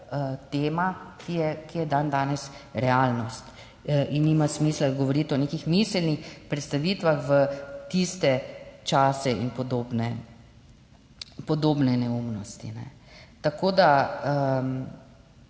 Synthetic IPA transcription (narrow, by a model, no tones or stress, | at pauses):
ət̪eːmakijɛkijɛd̪and̪aːnɛsɾɛaːlnɔst̪ | ʔinːiːmasmiːslad̪ɡɔʋɔɾiːt̪ɔnekixmislnixpɾɛt̪st̪aʋit̪ʋaxʋət̪ist̪ɛt͡ʃaːsɛʔḭnpɔd̪oːbnɛ | pɔd̪oːbnɛnɛumnɔst̪inɛ̰ | t̪akoːd̪aə